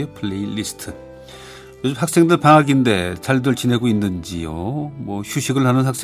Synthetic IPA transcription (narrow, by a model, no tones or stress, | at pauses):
epʰɯɭeilistʰɯ | jod͡ʑimhak̚s͈e̞ŋdɯɭpaŋaɡinde̞t͡ɕaɭdɯɭt͡ɕine̞ɡoinːɯnd͡ʑḭjo̰mwʌɕʰuɕʰiɡɯɭhanɯnhak̚s͈